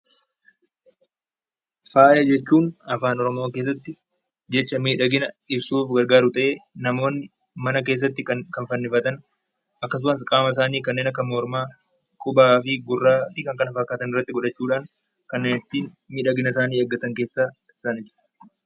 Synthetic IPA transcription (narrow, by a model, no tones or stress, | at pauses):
faːjɐd͡ʒɛt͡ʃːuːnɐfaːnɔɾɔmo̞ːke̞ːs̬ːɐt̪ːɪ | d͡ʒɛt͡ʃːɐmiːᶑɐɡɪnɐ | ɪbsuːfɡɐɾɡaːɾʊt̪ʼɐʔeːnɐmo̞ːnːɪ | mɐnɐke̞ːs̬ːɐt̪ːɪkɐkɐnfɐnːɪfɐt̪ɐn | ʔɐkːɐs̬ʊmɐs̬kʼaːmɐɪs̬aːniːkɐnːe̞ːnɐkːɐmoːɾmaː | kʼʊbaːfɪɡʊrːaːt̪ɪkɐŋkɐnɐfɐkːaːt̪ɐnɪrːɐt̪ːɪɡɔᶑɐt͡ʃːuːᶑaːŋ | kɐnːeːnɪt̪ːiːn | miːᶑɐɡɪnɐɪsaːniːɐɡːɐt̪ɐŋke̞ːsːaː | ɪ̥saːnɪbsɐ̥